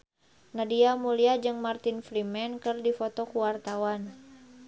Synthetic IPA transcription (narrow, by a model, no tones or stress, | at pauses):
nadiamuliad͡ʒɨŋmart̪infɾimɛnkɨrdifɔt̪ɔkuwart̪awan